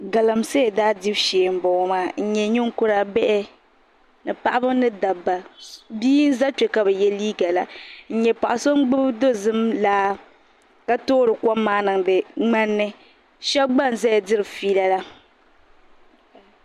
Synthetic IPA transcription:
ɡa˨la˨mse˦˨daː˦di˦bʃeː˨m̩˨bɔ˨˦maː˨n̩˦˨ɲɛ˨ɲɪ˦ŋ˦kʊ˦ɾa˨bɛ˦ʔɛ˦ | nɨ˨pa˨ʔa˦bɨ˦m˦nɨ˦da˨bːa˨biː˦n̩˦za˦t͡ʃɛ˨ka˨bɛ˨jɛ˦liː˦ɡa˨la˨n̩˦ɲɛ˨pa˨ʔa˨so˦m˦ɡ͡bɨ˦bdo˦zɨ˦mlaː˦ | ka˦toː˦ɾɨ˨ka˦mːaː˦nɨ˨ŋdɨ˨ŋ͡ma˦nːɨ˦ | ʃɛ˦bɡ͡ba˦n̩˨za˦ja˨dɨ˦ɾɨ˨fiː˦la˦la˦

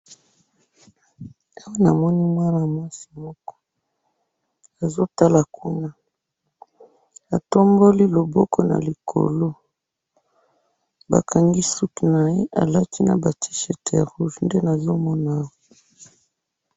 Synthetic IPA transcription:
a˦wa˦na˨mɔ˦ni˦mwa˦na˨mwa˦si˨mɔ˦kɔ̥˦ | a˨zo˦ta˦la˨kʰu˦na˦ | a˨to˦mbo˦li˦lo˨bɔ˦kʰɔ˦na̰˨li˨kʰo̰˨lo˦ | ba̰˨kʰa˨ŋɡi˦su˦ki˨na˨je˦ʔa̰˨la˦ti˦na̰˨ba˨tʰi̥˦ʃe˨te˨ʁu˦ʒnde˦na˨zo˦mɔ˦na˨˦wɔ˨

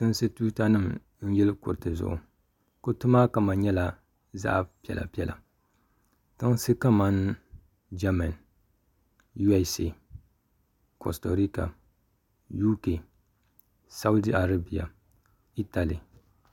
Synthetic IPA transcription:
tɨ˦nsɨ˦tuː˦ta˦nɨ˦m | n̩˦jɛ˦lɨ˦kʊ̰˨ɾtɨ˨zʊ̰˨ʔʊ̰˨ | ko˦tʊ˦ma˦ka˨ma˨ɲɛ˦la˦ | za̰˦ʔpi˨ɛ̰˨lʔa̰˨pi˦ɛ˨lʔa̰˨ | tɨ˦ŋsɨ˦ka˦ma˦n˦ | d͡ʒa˦ma˨n | ju˦ɛ˦se˨ | ko̰˨sto˨ɾi˦ka̰˨ | ju˦ke˨ | sa˦wʊ˦di˦a˨ɾa˦bi˨ja̰˨ | i˦ta˨li˨

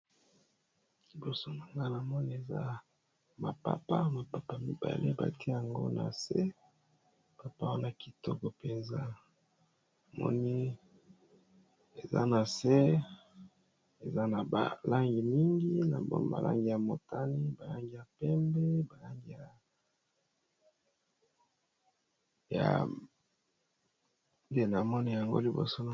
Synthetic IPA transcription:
i˨bo˦so˦na˨ŋɡa˦na˨mɔ˦ni˦e˨za̰˦ | ma˨pa̰˦˨pa˦ma˨pa˦pa˦mi˦ba̰˨le˦ba̰˨ti˦e˦ja˨ŋɡo̰˦na̰˨se˦ | pa˨pa˦wa˦na˦ki˨tɔ˦kɔ˨pe˨nza˦ | a˨mɔ̰˦ni˦ | e˨za̰˦na˨se˦ | e˨za˦na˨a˨la˦ŋɡi˨mi˦ŋɡi˦na̰˨bo̰˨ba̰˨lʔa̰˦ŋɡi˨ja˨mo˨ta˦ni˦ba˨la˦ŋɡi˨ja˨pɛ˦mbe˦ba˨la˦ŋɡi˨ja˨ | ja̰˨ | nde˦na˨mɔ˦ni˦˨ja˨ŋɡo̰˦li˨bo̰˨so˦na˨

